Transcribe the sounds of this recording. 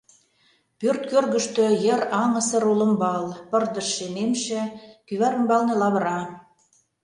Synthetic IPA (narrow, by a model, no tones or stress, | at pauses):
pørt̪̚kørɣə̆ʃt̪ø̆jəɾɑŋə̆sə̆ɾolə̆mbɑlpɤ̆rd̪ə̆ʃːenemʃĕkyβæɾə̆mbɑlnĕlɑβə̆ɾɑ